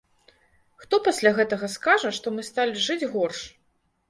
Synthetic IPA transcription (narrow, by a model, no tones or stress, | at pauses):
xt̪ɔpɐsʲlʲaɣɛt̪ɐɣɐskaʐɐʂt̪ɔmɨst̪alʲiʐɨd͡zʲɣɔrʂ